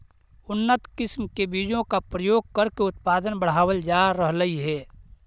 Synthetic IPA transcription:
ʊnːət̪kɪsmkebiːd͡ʒõkapɾəjoːɡ̚kəɾkeʊt̪paːd̪ənbəɽ̤aːwəld͡ʒaːɾəɦləiɦɛː

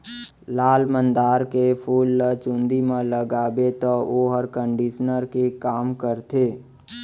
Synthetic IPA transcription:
laːlmə̃nd̪aːɾkepʰuːlːət͡ʃũnd̪imẽləɡaːbet̪ɔoɦəɾkə̃ɳɖiʃnəɾkekaːmkəɾt̪eː

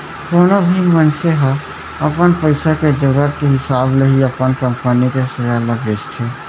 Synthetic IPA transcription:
koːnobʱimənseɦə | əpənpəɪsaked͡ʒəɾuɾət̪̚keɦɪsaːbleɦiəpənkə̃mpənikesəjaləbeːst̪ʰe

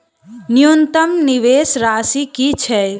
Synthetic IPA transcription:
nijont̪əmniʋesɾasikit͡ʃʰɛ

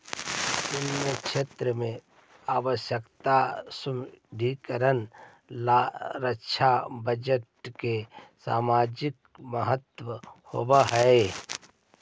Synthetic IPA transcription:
d̪ʊnːjəkʃeːt̪ɾəmẽ | aːʋəʃjəkt̪asʊmɖʱikəɾən | laɾəʃʰabəd͡ʒəʈkesa̰ːmaːd͡ʒɪk̚ | məɦət̪wəho̰baɦɛe

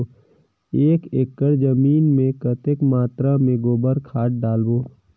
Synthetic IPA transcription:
eːkeːkːəɾd͡ʒəmiːnmẽkət̪ekmaːt̪ɾamẽɡoːbəɾkʰaːʈ̚ɖaːlboː

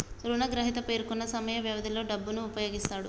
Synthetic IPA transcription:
t̪ɾuːnɐɡɾɐɦit̪ɐpe̞ːɾkunːɐsɐmɐjɐʋjɐʋɐd̪ʱilo̞ːɖɐbːunuːpɐjo̞ːɡist̪aːɽu

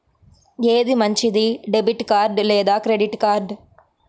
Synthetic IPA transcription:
eːðimɐɲt͡ʃid̪iɖɛbɪʈkaːɾɖleːd̪aːkɾeɖɪʈkaːɾɖ

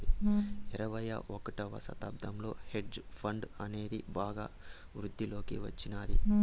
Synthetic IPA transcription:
iiɾɐʋɐjɐ̰ʔokɐʈɐʋɐ̰sɐ̰t̪ɐb̚d̪ʱɐmlo̞ːheɖd͡ʒpʰɐɳɖɐne̞ːd̪ibaːɡaː | ʋɾud̪ʱːilo̞ːkḭʋɐt͡ʃːinaːd̪ḭ

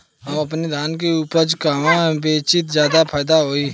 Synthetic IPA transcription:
əɐpned̪ʱaːnk̬euːpəɾt͡ʃkaːmãbeːt͡ʃɪt̪zjaːd̪apʰaːjd̪aɦoːiː

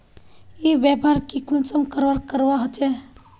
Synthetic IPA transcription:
ibjapaɾkikunsəmkəɾwaɾkəɾwaɦət͡ʃɛ

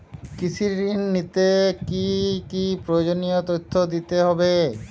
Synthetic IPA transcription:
kit͡ʃʰiɾinːit̪ekikipɾojod͡ʒonijot̪ot̪ʰːod̪it̪eɦɔbe

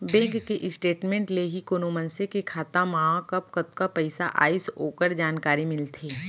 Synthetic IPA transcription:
bɛ̃ːŋkkeʔɪsʈeːʈmẽːɳʈleɦikonomə̃nsekekʰaːt̪amaɦãkɐpkɐt̪kapɐɪsa̰ʔa̰ːisoːkəɾd͡ʒaːnkaːɾimɪlt̪ʰeː

